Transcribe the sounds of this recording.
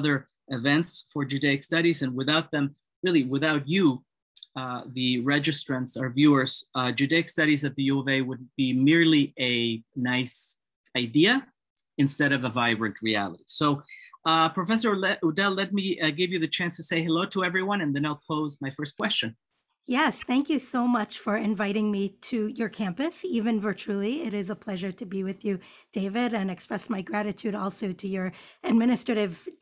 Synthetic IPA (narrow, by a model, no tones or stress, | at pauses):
ʌðə˞ | ɨvɛ̃ntsfə˞d͡ʒʉdeɪɨkstʌɾizɨ̃nwɨθaʊt̪̚ðɨ̃m | ɹɪlˠiwɪθaʊt͡ʃɨ | ðɨɹɛd͡ʒɨstɹ̥ɨ̃ntsə˞vjʉə˞z̥d͡ʒʉdeɪɨkstʌɾizɨt̪̚ðɨjuɛveɪwəd̚b̥imɪɹliɨnaɪs | aɪdiɨ | ɨ̃nstɛɾʌvəvaɪbɹɨ̃nʔ̚ɹiæ̰lˠəɾisoʊ | pʰɹ̥ɨfɛs̬ə˞ludɛlɛt̚miɡɪvjɨðɨt͡ʃʰæ̃nstʰɨseɪɦɨloʊɾəɛvɹiwʌ̃nɨ̃nðɨ̃naɪlˠpʰoʊzmaɪfɜ˞skʰw̥ɛst͡ʃɨ̃n | jɛsθæ̃ŋkjɨsoʊmʌt͡ʃfə˞ɨ̃ɱvaɪɾɪ̃ŋmiɾɨjə˞kʰæ̃mpɨsivɨ̃nvɜ˞t͡ʃl̩ˠiɪɾɪzəpʰl̥ɛʒə˞ɾɨbiwɨðjɨ | d̥eɪvɪɾɨ̃nɨkspɹɛsmaɪɡɹæɾɨtʰʉɾɔlˠsoʊɾɨjə˞ɨd̚mɪ̃ñɨstɹ̥ɨɾɪv̥